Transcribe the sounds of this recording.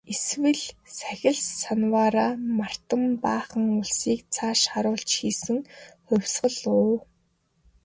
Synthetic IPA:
eswɘ̆ɮsæxʲɪ̆ɮsanwaːɾaːmar̥t̪ə̆mpaːχə̆ŋʊɮsiːkt͡sʰaːʃχaɾʊːɬt͡ɕxiːsɘ̆ŋχʊwʲsɢə̆ɮʊː

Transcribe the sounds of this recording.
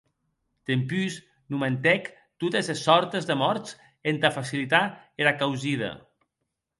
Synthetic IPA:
t̪empys | nument̪ɛk | t̪ut̪ezesːɔɾt̪ezðemɔɾt̪t͡s | ent̪afasilit̪aeɾakawziðɐ̰

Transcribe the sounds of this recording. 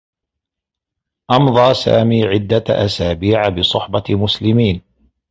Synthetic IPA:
ʔɑmðˤɑːsa̰ːmiːʕɪd̪ːaʔasaːbiːʕabɨsˤʊħbɑmʊslɪmiːn

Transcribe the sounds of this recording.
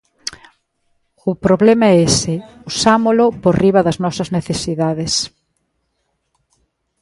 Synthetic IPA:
ʊpɾoβlɛmɐesɪusamolʊporiβɐðɐznɔsɐzneθesiðaðes

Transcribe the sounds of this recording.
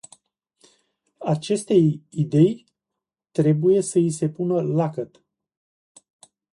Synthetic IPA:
at͡ʃe̞st̪e̞jid̪e̞j | t̪ɾe̞buje̞səis̬e̞punəlakət̪

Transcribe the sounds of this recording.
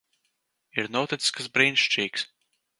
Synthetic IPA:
iɾnɔt̪it̪ʲsʲkɨsbɾinʃt͡ʃiːks

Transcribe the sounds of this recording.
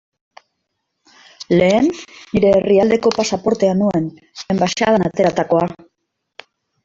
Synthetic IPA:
le̞ːnːiɾe̞ːriald̪e̞ko̞pasapo̞ɾt̪e̞anuen | embaʃaðanat̪e̞ɾat̪ako̞a

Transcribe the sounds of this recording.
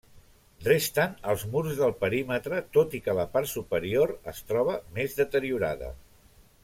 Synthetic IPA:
drest̪ənəlˠzmuɾzðəlˠpəɾimət̪ɾət̪ot̪ikələpaɾt̪supəɾioɾə̰st̪ɾɔβ̞əmezðət̪əɾiuɾa̰ðə̰

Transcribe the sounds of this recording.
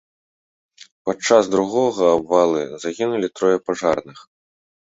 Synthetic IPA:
pat͡ʂazd̪ɾuɣɔɣɐːbvalˠɨzaɣʲinulʲit̪ɾɔjɛpaʐarnɨx

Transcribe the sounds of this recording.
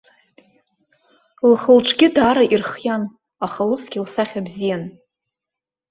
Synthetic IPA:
lχəlʈ͡ʂʰɡʲɪdaːɾaʔirχjan | aχausɡ̥ʲilsaχʲabzijan

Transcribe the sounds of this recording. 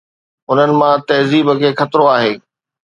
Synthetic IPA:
ʊnənɪ̆mãt̪ɐɦziːbəkʰeːxɐt̪ɾoaːɦeː

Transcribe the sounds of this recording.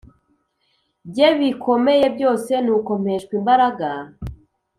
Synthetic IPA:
bɟeβiko̞me̞je̞b̚ɟo̞ːse̞nuko̞m̥e̞ʃkwimbaɾaɡa

